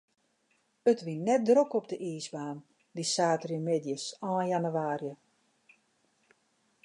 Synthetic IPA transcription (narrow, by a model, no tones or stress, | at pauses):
ətʋinːɛt̚drokɔpdəʔiːsbaːn | disaːtərjəmedjəsɔːnjanyʋaːrjə